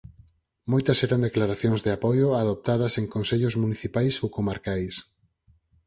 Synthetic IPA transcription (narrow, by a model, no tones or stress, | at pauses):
mojt̪ɐsɛɾand̪eklaɾaθjoŋzðɪapɔjoaðop̚t̪að̞ɐseŋkõnseʎʊzmuniθipajsowkomaɾkajs